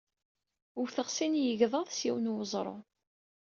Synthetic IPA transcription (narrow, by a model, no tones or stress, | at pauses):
ʊɾθəʁsinjəʝðˤɑðˤsjiwnuwəzˤɾˤo̰